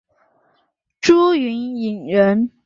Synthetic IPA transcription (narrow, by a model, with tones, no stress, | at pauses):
ʈ͡ʂu˥y˧˥ni˨˩ŋɻə˧˥n